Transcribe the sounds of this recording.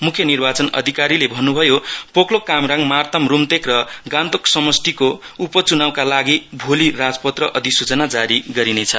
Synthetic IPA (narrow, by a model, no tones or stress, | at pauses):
mukʰjʌnirbat͡sʌnʌ̰d̪ʱikaɾilebʱʌnːubʱʌjopoklokamraŋmart̪ʌmrumt̪ekrʌɡãnt̪oksʌmʌsʈ̪iko | upʌt͡sunawkalaɡibʱolirad͡zpʌt̪rʌʔʌd̪ʱisut͡sʌnad͡zaɾiɡʌɾinet͡sʰʌ